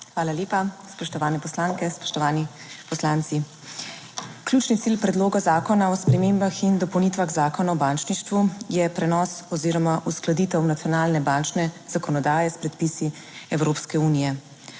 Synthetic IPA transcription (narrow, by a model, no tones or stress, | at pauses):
xʋaːlaljeːpaspɔʃt̪ɔʋaːnɛpɔslaːŋkɛspɔ̥ʃt̪ɔʋaːni | pɔslaːnt̪si | kljuːt͡ʃnit̪silpɾɛd̪loːɡazaːkɔnaɔspɾɛmeːmbaxind̪ɔpɔwniːt̪ʋaɣzaːkɔnaɔbant͡ʃniʃt̪ʋujɛpɾɛnɔːsɔziːɾɔmaʔusklad̪iːt̪ɛwnat̪ijɔnaːlnɛbant͡ʃnɛz̥akɔnɔd̪aːjɛspɾɛt̪pisi | ɛwɾoːpskɛuːnijɛ